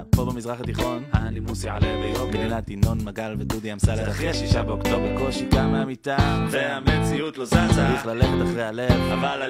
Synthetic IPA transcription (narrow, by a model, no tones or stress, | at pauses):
pobemizʁaχat̪iχo̞nanimusialead̪ejobdinat̪ino̞nmaɡalved̪ud̪iamsaleaχeʃiʃabeokt̪obekolʃikameamit̪aeamet͡siut̪loat͡saʁiχlaleχet̪aχʁejhalevava